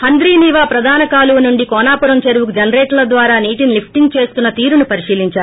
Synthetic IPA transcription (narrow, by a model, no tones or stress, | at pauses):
hɐnd̪ɾiːniːʋaːpɾɐd̪ʱaːnɐkaːluʋɐnuɳɖikɔːnaːpuɾɐmt͡ʃɐɾwukd͡ʒɐnɾeːʈlɐd̪ʋaːɾaːniːʈinlipʰʈiŋɡ̚t͡ʃe̞ːst̪unːɐt̪iːɾunupɐɾiʂiːliɲt͡ʃaːɾu